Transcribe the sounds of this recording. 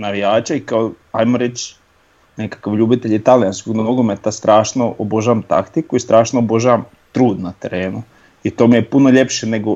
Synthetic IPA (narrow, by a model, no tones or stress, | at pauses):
naʋijaːt͡ʃaikaoajmoɾet͡ʃ | nekḁkaʋʎuːbit̪eʎit̪alijanskoɡnnoɡomet̪ast̪ɾʔaːʃnoʔobo̞ʒaʋamt̪a̰kt̪ikuist̪ɾaːʃnoobo̞ʒaʋam | t̪ɾuːd̪nat̪e̞ɾe̞ːnu | it̪o̞ːmijepunoʎe̞pʃene̞ɡo